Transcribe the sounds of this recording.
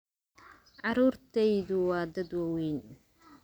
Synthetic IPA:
ʕɑɾuːrt̪ʰɛjðʊwɑːd̪ɐd̪wɑwejn

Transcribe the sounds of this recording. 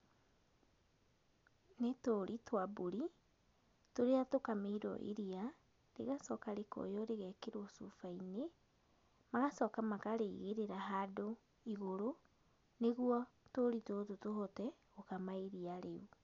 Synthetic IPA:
netoɾʔitwaboɾi | toɾeatokameɾɔ̰ʔḛɾia | ɾḛɣasɔkaɾekɔ̰jɔɾeɣɛkeɾoɔsufaine | maɣasɔkamakaɾeiɣeɾeɾaɦado | iɣoɾo | neɣwɔtoɾitototoɦɔtɛ | okamaeɾiaɾeu

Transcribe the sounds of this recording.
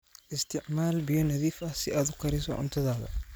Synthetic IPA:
ʔɪst̪ʰɪʕmaːlbijɔnɐðiːfɐhsɪʔaːd̪ʊqʰɐɾɪsɔ̰ʕʊ̰nt̪ʰɐðaːðɐ̰

